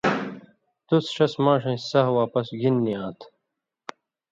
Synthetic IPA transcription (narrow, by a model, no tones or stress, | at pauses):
t̪usʂɐsmaːʂɐ̃sɐɦwaːpɐsɡinːiãːt̪ʰ